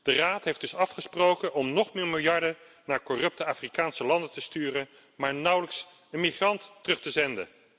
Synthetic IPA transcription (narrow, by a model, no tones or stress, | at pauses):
d̥əraːtɦejfd̥ɵsɑfχəsprowkənʔɔmnɔχmɪːɹmɪlˠjɑɹdə | naːɹkɔrɵp̚təaːfrikaːnsəlɑndətəstyːrən | maːɹnʌwləks | ənmiχrɑntːərɵχtəzɛndə̰